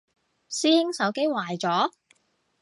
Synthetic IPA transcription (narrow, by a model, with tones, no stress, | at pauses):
siː˥ɪ˥ŋsɐ˨˥wke˥jwaː˨˩jt͡sɔː˨˥